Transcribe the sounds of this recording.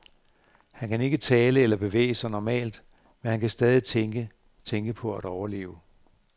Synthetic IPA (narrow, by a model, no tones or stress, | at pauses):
hænkæne̝ɡ̥ət͡sʰɛːləelɐb̥e̝ʋḛːɪəsɑ̈ɪnɒmɛ̰ːld̥ | menhænkʰæsd̥ɛːð̞ˠit͡sʰeŋɡ̥ə | t͡sʰeŋɡ̥əpʰɒ̽æɾ̥ɒʊɐle̝̰ːʊə